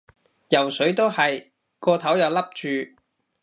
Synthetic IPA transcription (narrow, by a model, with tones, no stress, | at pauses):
jɐ˨˩wsɵ˨˥ɥt̪o˥whɐ˨j | kɔː˧t̪ʰɐ˨˥wjɐ˨wlɐ˥p̚t͡ʃyː˨˧